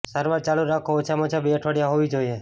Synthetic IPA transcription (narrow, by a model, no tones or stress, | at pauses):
saɾʋaɾt͡ʃaluɾakʰoːt͡ʃʰamɔt͡ʃʰabeəʈʰʋaɽjaɦoʋid͡ʒoje